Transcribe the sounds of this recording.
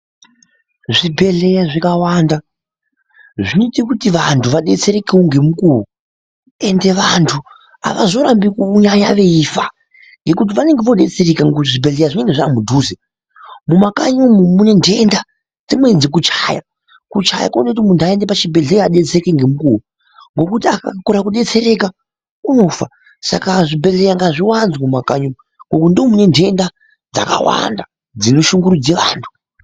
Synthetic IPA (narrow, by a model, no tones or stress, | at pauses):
ʐibʱe̞ɮe̞jaʐikawaːnda | ʐinoitikutiʋantʰuʋaɗe̞t͡se̞ɾekewoŋɡe̞mukuu | e̞nde̞ʋantʰu | a̰ʋa̰zo̞ɾambikouɲajaʋe̞ifa | ŋɡe̞kut̬iʋane̞ŋɡeʋo̞ɗe̞t͡seɾekaŋuʐibʱe̞ɮejaʐine̞ŋɡeʐamudʱuːze | mumakaɲomumune̞nde̞nda | d͡zimwe̞d͡zek̬ut͡ʃaja̰ | kut͡ʃaja̰konekut̬imundaendepat͡ʃibʱe̞ɮejaɗet͡sekeŋɡe̞mukuːwu | ŋɡo̞kutiaka̰koɾak̬uɗe̞t͡se̞ɾe̞ka | uno̞fa | sa̰kaʐibʱe̞ɮejaŋɡaʐiwanzmumakaɲu | ŋɡokundiomune̞ntʰe̞nda | d͡za̰ka̰wa̰nda | d͡zinoʃuŋɡuɾud͡zeʋa̰ːntʰu̥